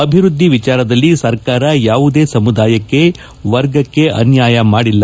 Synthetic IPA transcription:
ɐbʱiɾud̪ʱːiʋit͡ʃaːɾɐd̪ɐlːisɐɾkaːɾɐjaːʋud̪e̞ːsɐmud̪aːjɐkːe̞ | ʋɐɾɡɐkːe̞ʔɐ̰njaːjɐmaːɽilːɐ

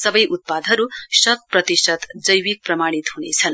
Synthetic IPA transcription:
sʌbʌjʔut̪̚pad̪ʱʌɾusʌt̪̚prʌt̪isʌt̪d͡zʌjwik̚prʌmaɽ̃it̪ɦunet͡sʰʌn

